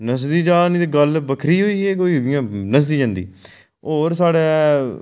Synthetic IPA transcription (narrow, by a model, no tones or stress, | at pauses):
nəsd̪iːd͡ʒaːnĩːd̪eɡəlbəkʰɾiːɦoːiːɛːk̬oːiːɪjãːnəs̬d̪iːd͡ʒãːnd̪ḭː | oːɾsaːɽeː